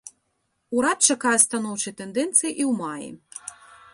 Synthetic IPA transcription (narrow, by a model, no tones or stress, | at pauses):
uɾat̪̚t͡ʂakajɛst̪anɔwt͡ʂɐjt̪ɛnd̪ɛnt̪sɨjiʔiwmajḭ